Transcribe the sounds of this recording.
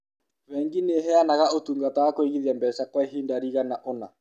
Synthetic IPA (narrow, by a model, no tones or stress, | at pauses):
wɛŋɡineɦɛanaɣaotuːŋɡatawakoeɣiðiambɛsakwaeɦiːndaɾiɣanaʔɔna